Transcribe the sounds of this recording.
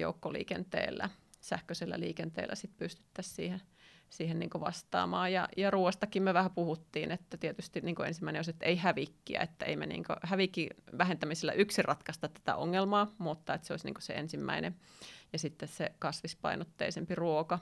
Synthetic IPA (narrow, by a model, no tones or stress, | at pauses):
jo̰ukːolḭːkent̪ḛːlːæ̰ | sæhkøselːæ̰liːkent̪ḛːlːæ̰sit̪̚pyst̪y̥t̪ːæssḭːhe | siːhennḭːŋkoʋɑ̰st̪ɑ̰ːmɑːjjɑjɑruːʋest̪ɑkimmyøʋæhæpuhut̪ːiːnet̪ːæt̪iet̪yst̪iniːkoensimːæineoset̪ːeihæʋikːiæ̰et̪ːæḛimḛnḭːŋkø̰hæʋikːiʋæhent̪æmiselːæ̰ʔyksirʔɑt̪kɑst̪ɑt̪t̪æ̥t̪æ̰ʔoŋːelmɑːmut̪ːɑet̪seoisnḭːŋkosḛḛnsimːæ̰ine | jɑsit̪ːessekɑsʋispɑ̰inot̪ːḛisempiruokɑ